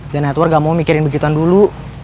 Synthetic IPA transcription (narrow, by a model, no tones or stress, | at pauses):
danɛt̪wɔrɡaʔmaumikiɾɪnbəɡit̪uandulu